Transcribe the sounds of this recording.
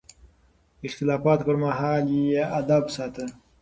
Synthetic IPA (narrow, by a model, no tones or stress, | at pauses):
ɪxt̪ɪlɑːfɑːt̪kəɾmaɦɑːljead̪absɑːt̪ə